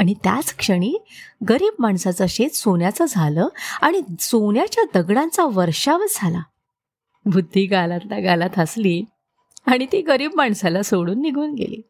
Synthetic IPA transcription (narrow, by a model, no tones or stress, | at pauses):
aɽ̃it̪ja̰t͡skʂəɽ̃iːɡəɾiːb̚maɳsat͡səɕet̪sonjat͡səd͡zʱaləːaɽ̃isoɳjat͡ɕjad̪əɡɽãnt͡saʋəɾʂaʋət͡sd͡zʱala | bʱud̪ʱːiːɡalat̪laɡalat̪ʰasliː | aɽ̃it̪iːɡəɾiːbmaɳsalasoɽuːnːiɡʱuːnɡḛlḭː